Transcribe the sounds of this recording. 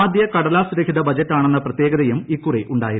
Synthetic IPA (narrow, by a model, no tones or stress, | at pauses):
aːd̪jɐkɐɽɐlaːsɾɐkʰiðɐbɐd͡ʑɐtːaːɳe̞nːɐprɐt̪jeːɡɐðɐjumikːuriʔuɳɖaːjiɾ